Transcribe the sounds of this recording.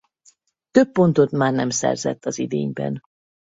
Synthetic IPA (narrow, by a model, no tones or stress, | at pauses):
t̪øpːo̞nt̪o̞t̪maːrnɛmsɛ̰rzɛ̰t̪ːɒzid̪eːɲbɛ̰n